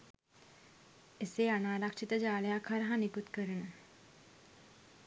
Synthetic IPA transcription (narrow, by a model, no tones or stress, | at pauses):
ɪseːɐnaːɾakt͡ʃʰit̪ɐd͡ʒaːljakʰɐɾɐɦãnɪkut̪kɐɾən